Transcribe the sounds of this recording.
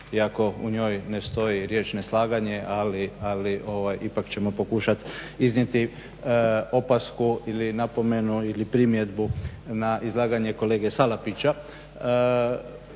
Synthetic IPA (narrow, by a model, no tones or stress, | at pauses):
iako̞ṵɲo̞ːjne̞st̪o̞jiɾje̞ːt͡ʃneslˠaːɡaɲe̞ʔalialiʔo̞ʋajʔipakt͡ɕe̞mo̞po̞kuʃat̪iznɲje̞t̪i | o̞paskuilinapo̞me̞nuilipɾimje̞d̪bu | naʔizlˠaːɡaɲe̞ko̞le̞ːɡe̞salapit͡ɕa